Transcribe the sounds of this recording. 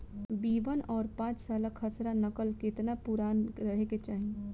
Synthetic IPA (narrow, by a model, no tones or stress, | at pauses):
biːʋənɔːɾpãːt͡ʃsaːləkʰəsɾanəkəlkɪt̪napʊɾaːnɾəɦeket͡ʃaːɦi